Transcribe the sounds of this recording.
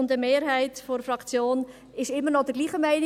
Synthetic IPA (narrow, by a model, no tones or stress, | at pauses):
ʊntəmeːɾɦɛɪtfoɾfrɑkt͡sjoːn | ɪʃɪmːənɔd̥əɡliːχəmæɪn